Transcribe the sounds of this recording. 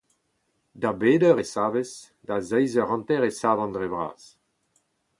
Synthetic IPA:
d̪abeːdœʁesaːves | d̪azɛjzœʁɑ̃nt̪ɛʁesaːvɑ̃nd̪ʁebʁa̰ːs

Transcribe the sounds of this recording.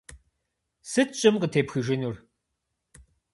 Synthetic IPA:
sɨtt͡ʃʼɪmqətʰeːpxɨʒɪnur

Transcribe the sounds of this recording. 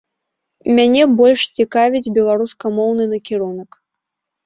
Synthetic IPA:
mʲanʲɛbɔlʲʂt͡sʲikavʲid͡zʲbʲɛlˠaɾuskɐmɔwnɨnɐkʲiɾunɐk

